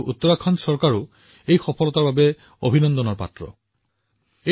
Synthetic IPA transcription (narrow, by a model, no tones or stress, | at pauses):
ʔut̪ːɔɹakʰɔnsɔɹkaɹʊ | ejxɔpʰɔlɔtaɹbabɛ | obʱinɔndɔnɔɹpa̰tɹɔ̰ | e